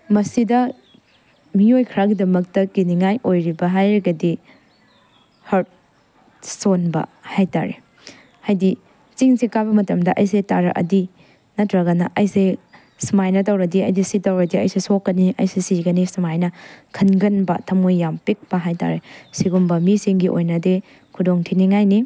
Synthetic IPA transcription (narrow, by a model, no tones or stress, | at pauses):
mɐsidɐ | miojkʰɐɾaɡidɐmɐk̚tɐkiniŋajʔojɾibɐɦajɾɐɡɐdi | hɐɾt̚ | sonbɐ̰hajta̰ɾḛ | hajdi | t͡ʃiŋsekabɐmɐtɐmdɐʔɐjsetaɾɐʔɐ̰di | nɐtʰɾɐɡɐnɐʔɐjse | simajnɐtɐwɾɐdiɐjdisitɐwɾɐdiɐjsesokːɐniʔɐ̰jsesiɡɐnisimajnɐkʰɐnɡɐnbɐ̰tʰɐmojːampek̚pɐɦajta̰ɾesiɡumbɐmisiŋɡiʔo̰jnɐde | kʰudoŋtʰiniŋajni